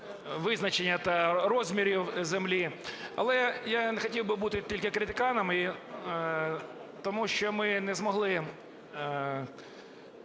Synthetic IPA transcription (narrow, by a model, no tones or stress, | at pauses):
ʋɪznɐt͡ʃenʲːɐt̪ɐrɔzʲmʲiɾʲiwzemlʲiɐ̰lˠɛjanexɔtʲiwbɪbut̪ɪt̪ʲilʲkɪkɾʲɪt̪ɪkɑnɐmɪ | t̪ɔmuʃt͡ʃɔmɪnɛzmɔɦlˠɪ